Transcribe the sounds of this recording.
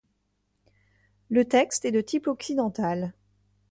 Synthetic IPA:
lət̪ɛkst̪ɛd̪ət̪ʰipɔksid̪ɑ̃t̪al

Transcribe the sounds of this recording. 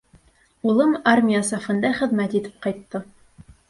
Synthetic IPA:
ulˠɤmarmʲɪjasɑfɤ̆nd̪ɑχɘ̆ðmæt̪it̪ɘ̥p̚qɑjt̪ːɤ

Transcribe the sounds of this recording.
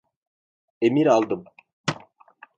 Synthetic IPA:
emiɾalˠd̪ɯm

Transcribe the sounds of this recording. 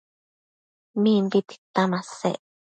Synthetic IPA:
mĩnb̪it̪i̥t̪amãsḛʔ

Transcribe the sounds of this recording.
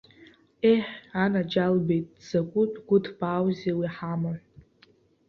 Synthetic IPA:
eħanad͡ʒalbe̞jtʼz̥akʷʼʊtʰʼɡʷʊtʰbʼaːwzewiħama

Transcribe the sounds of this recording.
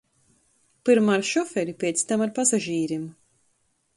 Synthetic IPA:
pɨɾmaɾʃɔfɛɾipʲɛːt̪st̪amaɾpazaʒiːɾim

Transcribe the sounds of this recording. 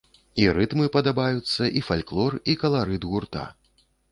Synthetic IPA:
iɾɨt̪mɨpɐd̪abajut̪sːɐʔifalʲklˠɔrikɐlˠaɾɨd̪ɣurt̪a̰

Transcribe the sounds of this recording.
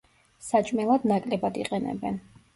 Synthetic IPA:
sat͡ʃʼmɛlˠad̪nakʼlɛbad̪iqʼɛnɛ̰bɛn

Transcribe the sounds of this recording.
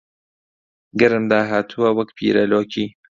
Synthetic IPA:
ɡɐɾɨmd̪aːɦaːt̪ʰuwɐwɐkpʰḭːɾɐloːkʰiː

